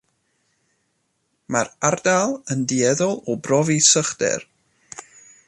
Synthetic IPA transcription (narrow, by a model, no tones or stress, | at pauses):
marardalˠəndiɛðɔlˠɔbrɔvisəχd̥ɛ̰r